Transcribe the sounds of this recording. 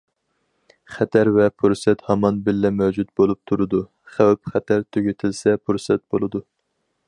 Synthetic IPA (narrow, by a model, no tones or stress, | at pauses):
χɛt̪ʰæɾvɛpʰuɾsɛt̪hɑmɑnbɪlːɛmæwd͡ʒut̪̚bolˠup̚t̪ʰuɾɨd̪u | χæwɛpχɛt̪ʰæɾt̪ʰøɡʲet̪ʰɪlsɛpʰuɾsɛt̪̚bolˠɨd̪u